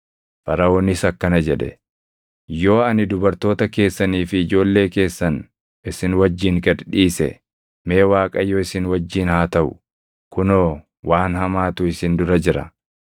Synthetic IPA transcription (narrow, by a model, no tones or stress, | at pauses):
fɐɾɐoːnɪsɐkːɐnɐd͡ʒɛᶑɛ̰ | jo̞ːɐnɪd̪ʊbɐɾt̪o̞ːt̪ɐke̞ːsːɐniːfɪːd͡ʒo̞ːlːe̞ːke̞ːsːɐn | ɪsɪnwɐd͡ʒːiːŋɡɐd̪ᶑiːsɛ̰ | me̞ːwaːkʼɐjːoːɪsɪnwɐd͡ʒːiːnhaːt̪ɐʔʊ̰ | kʊnoː | waːnhɐmaːt̪ʊɪsɪnd̪ʊɾɐd͡ʒɪɾɐ̰